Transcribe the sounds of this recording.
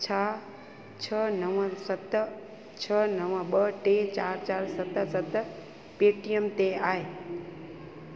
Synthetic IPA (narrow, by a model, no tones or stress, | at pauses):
t͡ɕʰa | t͡ɕʰənəʋəsət̪ | t͡ɕʰənəʋəɓəʈet͡ɕaːɾt͡ɕaːɾsət̪sət̪ | peːʈijəmt̪eaːɦe